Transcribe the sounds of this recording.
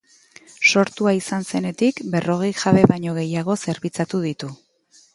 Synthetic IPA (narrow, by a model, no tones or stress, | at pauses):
so̞ɾt̪uaisanse̞ne̞t̪ikbe̞ro̞ɣ̞e̞jʝaβe̞βaɲo̞ɣ̞e̞jaɣ̞o̞se̞ɾβit͡sat̪uðit̪u